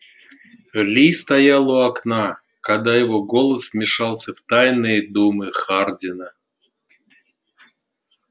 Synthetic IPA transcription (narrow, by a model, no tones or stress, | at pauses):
lʲist̪ajalˠuakna | kad̪ajɪvoɡolˠəsmʲɪʂɑlˠsʲəvt̪ajnɨjəd̪umɨχardʲɪnə